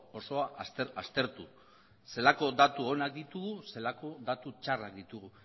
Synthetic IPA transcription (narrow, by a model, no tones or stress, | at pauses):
o̞so̞aseast̪e̞ɾt̪u | se̞lako̞d̪at̪uo̞nak̚d̪it̪uɣuse̞lako̞dðat̪ut͡ʃarakd̪it̪uɣ̞u